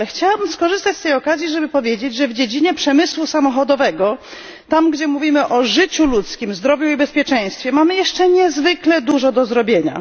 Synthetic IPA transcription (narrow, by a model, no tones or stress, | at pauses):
ɛxt͡ɕawabɘmskɔʐɘst̪at͡ɕʲst̪ɛjɔkazʲjiʐɛbɘpɔvʲjed͡ʑed͡ʑʐɛvd͡ʑed͡ʑiɲɛpʂɛmɘswusamɔxɔd̪ɔvɛɡɔ | t̪amɡd͡ʑɛmuvʲimɘʔɔʐɘt͡ɕulut̪skʲimzd̪ɾɔvʲjuibɛspʲjɛt͡ʂɛ̃j̃st̪fʲjɛmamɘjɛʂt͡ʂɛɲɛzvɘklɛd̪uʐɔd̪ɔzɾɔbʲjeɲa̰